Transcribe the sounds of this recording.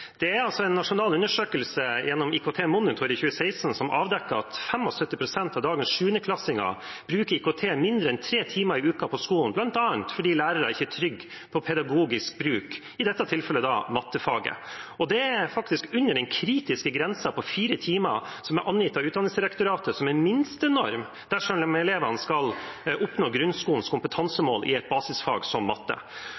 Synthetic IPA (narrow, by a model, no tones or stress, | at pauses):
d̪̥ɛæɾɑlsɔɛnːɑʂʊnɑːlʉnːəʂøːkəlsəjɛnːɔmiːkʊt̪ʰeːmʊnɪt̪ʰɔɾɪçʉːəsæɪsn̩sɔmʔɑ̰ːʋd̪ɛkːəɑt̪fɛmːɔsœt̪ːɪpʰɾʊsɛnt̪ɑʋd̪ɑːɡənsʂʉːənəkʰlɑsɪŋɑ̰b̥ɾʉːkəɾiːkʊt̪ʰeːmɪnd̪ɾəɛnt̪ʰɾeːt̪ʰiːmɑɾɪʉːkɑpʰɔskuːnblɑnt̪ɑːnt̪fɔɖiːlæːɾəɾæɪçət̪ʰɾʏɡː | pʰɔpʰɛd̪ɑɡuːɡɪsk̚bɾʉːk | ɪd̪ɛt̪ːɑt̪ʰɪlfɛlːəd̪ɑmɑt̪ːəfɑːɡə̰ɔd̪ɛæfɑkt̪ɪskʉnːəɖɛnkʰɾiːt̪ɪskəɡɾɛnsɑpʰɔfiːɾət̪ʰiːmə̰sɔmæɾʔɑnjɪt̪ːɑʉːd̪ɑnɪsd̪ɪɾɛkt̪ʊɾɑːt̪əsɔmæmɪnst̪ənɔɾm | d̪̥æʂɔmmɛleːʋənskɑlʔʊpnoːɡɾʉnskuːlən̩skʰʊmpət̪ʰɑnsəmo̰ːlʔɪ̰ɛt̪̚bɑːsɪsfɑ̰ːɡsɔmːɑt̪ːə̰